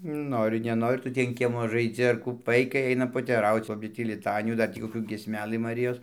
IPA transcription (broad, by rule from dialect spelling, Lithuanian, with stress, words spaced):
ˈnoːrʲɪ nʲɛˈnoːrʲɪ ˈtʊ tʲiː ɐn ˈkʲiɛmoː ʒɐɪˈd͡zʲɪ ɐr ˈkuː ˈʋɐɪkɐɪ ˈɐɪnɐm poːtʲɛˈrɐʊt͡s ˈoːɡʲɪ tʲiː lʲɪˈtɑːnʲɪjuː dɐr ˈtʲiː koːˈkʲuː ɡʲiɛsʲˈmʲæːˈlˠɨ mɐˈrʲɪjoːs